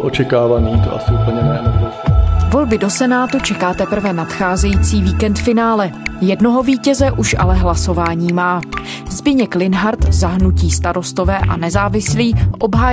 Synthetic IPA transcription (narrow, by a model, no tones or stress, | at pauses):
ʔot͡ʃɛkaːvaniːt̪o̰ʔa̰sɪʔupl̩ɲɛmɛːnobɾovo̞lbɪdo̞sɛnaːt̪ut͡ʃɛkaːt̪ɛpr̩vɛnat̪xaːzɛjiːt͡siːviːkɛnt̪fɪnaːlɛjɛdno̞ɦo̞viːcɛzɛʔuʃʔa̰lɛɦlaso̞vaːɲiːmaː | zbɪɲɛklɪnɦaɾt̪zaɦnuciːst̪aɾo̞st̪o̞vɛːʔa̰nɛzaːvɪsliːʔo̞bɦaː